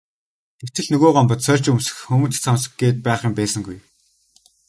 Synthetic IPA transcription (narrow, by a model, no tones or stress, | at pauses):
t̪ekt̪ʰɘ̆ɮnɵɣoːɢɔmpɞ̆t̪sœrʲt͡ɕɵmsɘ̥̆xxɵmɵ̆nt̪t͡sʰamsə̥̆ɡɡeːt̪̚pæːχĭːmpæːsə̆ŋɡuj